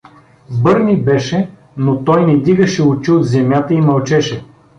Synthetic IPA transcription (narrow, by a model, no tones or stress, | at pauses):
bɤɾnibɛʃɛ | not̪ɔjnɛd̪iɡɐʃɛʊt͡ʃiot̪zɛmjat̪əimɐlˠt͡ʃɛʃɛ